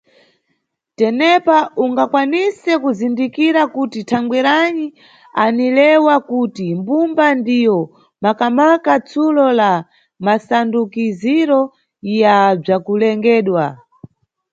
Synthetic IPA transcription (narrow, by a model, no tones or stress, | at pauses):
tɛnɛpaʔuŋɡakwanisɛkuzindikiɾakutitʰaŋɡwɛɾani | anilɛwakutimbumbandijɔ | makamakat͡sʰulɔla | masandukiziɾɔ | jab͡ʐakulɛŋɡɛːɗwa